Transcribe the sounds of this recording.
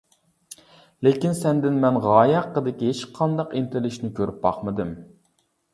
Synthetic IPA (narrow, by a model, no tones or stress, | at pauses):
lekʲinsɛnd̪ɪnmɛnʁɑːjɑqːəd̪ɪkʲiɦet͡ʃqʰɑnd̪ɑqint̪ɪɾlɪʃnɪkʲʰøɾyp̚bɑ̰χmɨd̪ɨm